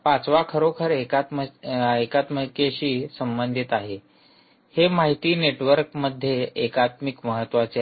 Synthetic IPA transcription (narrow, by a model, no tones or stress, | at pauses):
pat͡sʋakʰəɾokʰəɾekat̪əekat̪məkeɕiːsəmbənd̪ʱit̪aɦe | hemaɦit̪iːneʈʋəɾkməd̪ʱːjeːkat̪mikməɦət̪ːʋat͡se